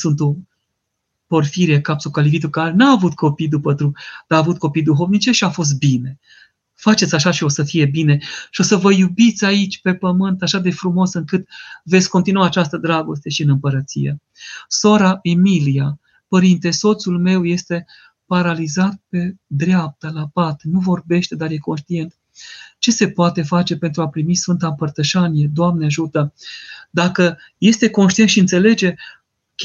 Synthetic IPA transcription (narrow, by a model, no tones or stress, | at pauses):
sunt̪o | po̞rfiɾiekapsokalivit̪ukaɾenaːvut̪kʰo̞pijd̪upət̪ɾud̪̥aːvut̪̚ko̞pijd̪uɦovnit͡ʃe̞ʃiafo̞s̬t̪̚bine̞ | fat͡ʃe̞t̪sʲaʃaʃio̞səfije̞bine̞ʃio̞səvəjubit̪sʲait͡ʃʲpe̞pəmɨnt̪aʃad̪e̞fɾumo̞sɨŋkɨt̪ve̞t̪sʲko̞nt̪inuwaːt͡ʃast̪əd̪ɾaɡo̞st̪e̞ʃiɨnɨmpəɾət̪sḭje̞̰ | so̞ɾaʔemilija | pəɾint̪e̞so̞t̪sulme̞wje̞st̪e̞ | paɾalizat̪̚pe̞d̪ɾeap̚t̪əlapat̪nuvo̞rbe̞ʃt̪e̞d̪arje̞ko̞nʃt̪ie̞nt̪ | t͡ʃe̞se̞poat̪e̞fat͡ʃe̞pe̞nt̪ɾuapɾimisfɨnt̪ampərt̪əʃanije̞d̪oamneaʒut̪əd̪akə | je̞st̪e̞konʃt̪ient̪ʃiɨnt̪se̞le̞d͡ʒe̞